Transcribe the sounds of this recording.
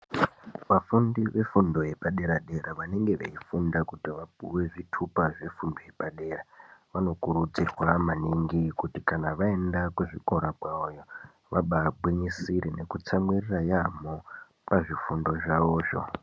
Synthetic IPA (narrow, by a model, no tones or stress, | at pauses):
ʋafundiʋe̞fundo̞je̞paɗe̞ɾaɗe̞ɾaʋane̞ŋɡe̞ʋḛifundakutiʋapuwe̞ʐitʰupaʐe̞fundo̞je̞paɗe̞ːraʋano̞kuɾud͡zirwamaniŋɡikutikanaʋae̞ndakweʐiko̞ɾaɡʱwaojo | ʋaɓabʱwiɲisiɾene̞kut͡samwirirajamo | paʐifundo̞ʐaʋo̞ːʐo̞̰